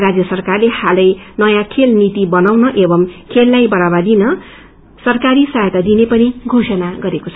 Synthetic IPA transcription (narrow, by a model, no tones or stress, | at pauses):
rad͡zjʌsʌrkarlehalʌjnʌjãkʰelnit̪ibʌnawnʌʔebʌmkʰelːajbʌɾabad̪inʌ | sʌrkaɾisajt̪ad̪inepʌniɡʱosʌnaɡʌɾekot͡sʰʌ